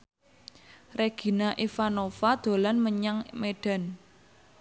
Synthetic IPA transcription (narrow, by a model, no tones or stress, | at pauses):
reɡ̥i̤naʔifanofad̪̥o̤lanməɲaŋmeɖ̥a̤n